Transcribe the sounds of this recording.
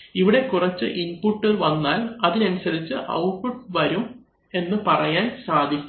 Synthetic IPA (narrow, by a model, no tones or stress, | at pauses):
iʋiɽe̞kurɐt͡ɕːɨʔinpuʈːɨʋɐnːaːlɐðinɐnusɐðit͡ɕːɨʔɐ̰wʈfuʈʋɐɾum | e̞nːɨpɐrɐjaːnsaːd̪ʱikʲː